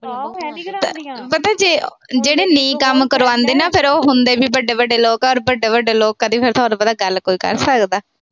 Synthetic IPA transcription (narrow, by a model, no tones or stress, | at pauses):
t̪pət̪ãːd͡ʒeː | d͡ʒeːɽeːnĩːkəmkəɾoːãːnd̪eːnaːpʰɪɾoːɦʊnd̪eːbiːbəɖeːbəɖeːloːkɔːɾbəɖeːbəɖeːloːkːaːd̪ĩːpʰɪɾt̪ʰaːɾapəd̪aːɡəlkoːiːkə̰ɾsəkd̪aː